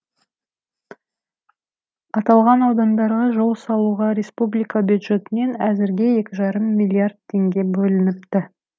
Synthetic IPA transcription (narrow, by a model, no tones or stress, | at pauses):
ɑt̪ɑlˠʁɑnɑwd̪ɑnd̪ɑɾʁɑʒo̞lˠsɑlˠuʁɑɾʲe̞spublijkɑbʲjud̪ʒe̞t̪ɪne̞næzɪɾɡʲe̞je̞kʲɪʒɑɾəmːijlʲˠiard̪̚t̪ʰːe̞ŋɡʲe̞bɵlɪnɪp̚t̪ɪ